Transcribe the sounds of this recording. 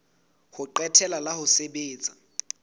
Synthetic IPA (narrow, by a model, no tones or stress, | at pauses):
hʊǃɛtʰɛlalahʊseɓeːt͡sʼa